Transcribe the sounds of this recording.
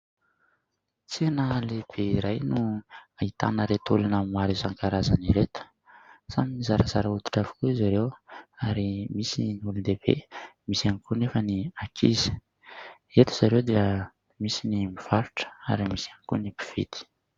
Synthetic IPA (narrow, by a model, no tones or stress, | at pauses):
t͡senəleb̥eiɾajnuait̪a̰nəɾet̪ulanəmaɾizaŋkaɾazaniɾet̪ə̥ | z̥aminizaɾəzaɾəut̪u̥ʈ͡ʂavi̥kuizaɾewaɾimisiniulud̪eb̥ḛmisianikunefəniakʰḭzi̥ | et̪u̥z̥aɾewd̪iə | misinimiv̥aɾuʈ͡ʂə̥a̰ɾimisianikunipi̥v̥ḭt̪i̥